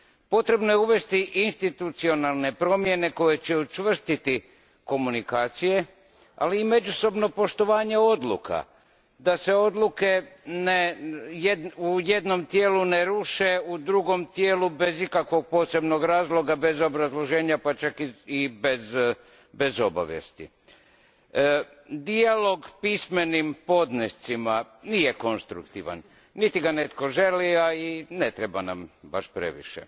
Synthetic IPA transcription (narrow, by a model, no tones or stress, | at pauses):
po̞t̪ɾe̞bno̞jeuʋe̞st̪iʔinst̪it̪ut̪sio̞nalˠne̞pɾo̞mje̞ne̞ko̞je̞t͡ɕeut͡ʃʋr̩st̪it̪i | ko̞munikaːt̪sije̞ | a̰liːme̞d͡ʒuso̞bno̞po̞ʃt̪o̞ʋaːɲe̞o̞d̪lˠṵkʰa̰ | d̪ase̞o̞d̪lˠuke̞nejeuje̞d̪no̞mt̪je̞ːluneɾuʃe̞ud̪ɾuɡo̞mt̪jeːlube̞zikakʋo̞ɡ̚po̞ːse̞bno̞ɡɾaːzlˠo̞ɡabe̞zo̞bɾazlˠo̞ʒe̞ːɲapat͡ʃakiibez | be̞zo̞ba̰ʋjḛst̪ḭ | d̪ialo̞ɡpisme̞nimpo̞d̪nest̪sima | nijeko̞nst̪ɾukt̪iʋa̰n | nit̪iɡanet̪ko̞ʒe̞liainet̪ɾebana̰mbaʃpɾḛʋḭʃḛ